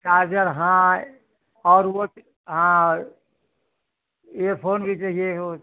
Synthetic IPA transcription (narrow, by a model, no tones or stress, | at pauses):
kad͡ʒəɾɦã | ɔɾo | ɦã | epʰonbit͡ʃeɦieɦo